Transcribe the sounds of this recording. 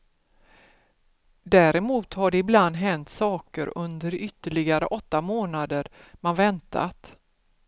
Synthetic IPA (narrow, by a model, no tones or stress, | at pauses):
d̪æːɾɛmuːt̪haɖɛɪbland̪ɦɛnt̪sɑːkəɾɵnd̪əɾʏt̪ːəɭɪɡaɾə̰ʔɔt̪ːamoːnad̪əɾmanvɛnt̪ʰa̰t̪